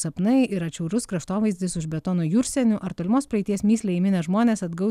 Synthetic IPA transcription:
sɐpnɐɪɪɾɐt͡ʃʲɛʊɾʊskɾɐʃt̪oːʋɐɪzʲd̪ʲɪsʊʒbʲɛt̪ɔːnoːjuːɾʲsʲɛnʲʊʔɐɾt̪oːlʲɪmoːspɾɐɛɪt̪ʲiɛɛsmʲiːsʲlʲɛɪmʲɪnʲɛʒmoːnʲeːsɐd̪ɡɐʊ

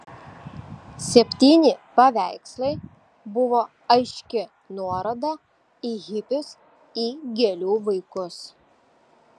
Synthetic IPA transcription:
sʲɛpʲt̪ʲiːnʲɪpɐʋʲæˑɪkslˠɐɪ | bʊʋoː | ɐɪʃʲkʲɪ | nuɔɾɐd̪ɐ | ɪɣʲɪpʲʊs | iːɡʲɛlʲuːʋɐɪkʊs

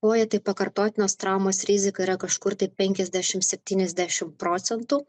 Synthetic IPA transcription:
koːjɛt̪ɐɪpɐkɐɾt̪oːt̪ʲɪnoːst̪ɾɑʊmoːsɾʲɪzʲɪkɐiːɾɐkɐʃkʊɾt̪ɐɪpʲɛŋʲkʲɛzʲd̪ʲæːʃʲɪmsʲɛpʲt̪ʲiːnʲɛzʲd̪ʲæːʃʲɪmpɾoːt̪sʲɛnt̪ʊ

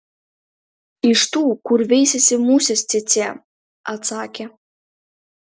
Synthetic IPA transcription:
iʃt̪ukurvʲejs̬ʲesʲemusʲesʲt͡sʲet͡sʲæ | ɑt͡sɑkʲe

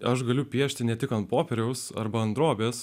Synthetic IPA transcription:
ɐʃɡɐlʲʊpʲiɛʃʲt̪ʲɪnʲɛt̪ʲɪkɐnt̪poːpʲeɾʲɛʊsɐ̰rbɐɐnd̪ɾoːbʲeːs

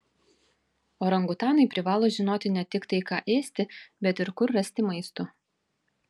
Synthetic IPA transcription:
oːɾɐŋɡʊt̪ɑːnɐɪpʲɾʲɪʋɑːlˠoːʒʲɪnoːt̪ʲɪnʲɛt̪ʲɪkt̪ɐɪkɑːʔeːsʲt̪ʲɪbʲɛt̪ɪɾkʊɾːɐsʲt̪ʲɪmɐɪst̪ʊ

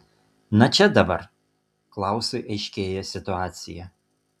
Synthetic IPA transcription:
nɐt͡ʃʲɛd̪ɐbɐ̰ɾ | klˠɑˑʊsʲoɪʔɐɪʃʲkʲeːjɛsʲɪt̪ʊɑːt̪ʲsʲɪjɛ

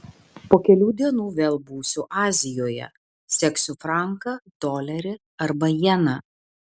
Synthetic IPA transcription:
poːkʲɛlʲuːd̪ʲiɛnuːʋʲeːlˠbuːsʲʊʔɑːzʲɪjoːjɛ̰ | sʲɛksʲʊfɾɑˑŋkɐd̪oːlʲɛɾʲɪ | ɐɾbɐjɛnɐ

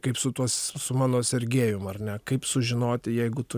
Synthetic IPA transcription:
kɐɪpsʊt̪uɔssʊmɑːnoːsʲɛrʲɡʲeːjʊmɐrnʲɛkɐɪpsʊʒʲɪnoːt̪ʲɪjɛɪɡʊt̪ʊ

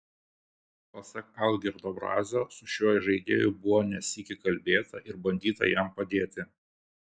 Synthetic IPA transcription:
pɐsɐkɐlˠd̪ʲiɾd̪oːbɾɑ̰ːzʲoːsʊʃʲuɔːjʒɐɪd̪ʲḛːjʊbʊʋoːnʲɛsʲiːkʲɪkɐlʲbʲeːt̪ɐʔɪɾbɐnʲd̪ʲiːt̪ɐ̰jɛmpɐd̪ʲeːt̪ʲɪ

